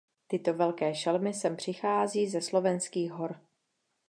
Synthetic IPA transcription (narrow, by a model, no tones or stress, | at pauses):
t̪ɪt̪o̞vɛlkɛːʃɛlmɪsɛmpr̝̥ɪxaːziːzɛslo̞vɛnskiːɣɦo̞ɾ